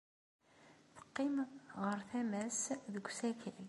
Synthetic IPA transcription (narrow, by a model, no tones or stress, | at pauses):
θə̥qːimʁəɾθæmæsðəɡʷsækəl